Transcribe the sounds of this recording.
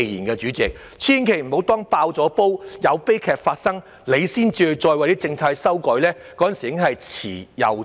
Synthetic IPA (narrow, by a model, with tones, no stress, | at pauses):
jiː˨˩nkɛː˧t͡ʃyː˨˥t͡sɪ˨k̚ | t͡sʰiː˥nkʰe˨˩jm̩˨˩ho˨˥wt̪ɔː˥ŋpaː˧wt͡sɔː˨˥po˥wjɐ˨˧wpe˥jkʰɛː˨˧k̚faː˧t̚sɐ˥ŋ | le˨˧jsiː˥nt͡siː˧hɵ˧t͡sɔː˧jwɐ˨jt̪iː˥t͡sɪ˧ŋt͡sʰaː˧jsɐ˥wkɔː˨˥lɛː˥kɔː˧˥jɐ˨nsiː˨˩ɪ˥ŋhɐ˨jt͡sʰḭː˨˩jɐ̰˨˩w